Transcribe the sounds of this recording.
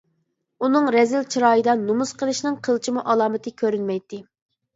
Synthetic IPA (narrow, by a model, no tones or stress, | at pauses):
unɨŋɾɛzɪlt͡ʃʰiɾɑːjɨd̪ɑnumuz̥qʰəlˠɨʃnɨŋqʰəlˠt͡ʃʰimuʔɑlˠɑːmɨt̪ʰɨkʲʰøɾynmɛjt̪ːɪ